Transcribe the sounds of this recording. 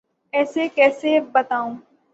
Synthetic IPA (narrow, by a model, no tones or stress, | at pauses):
ɛːsekɛːsebɐt̪aːũː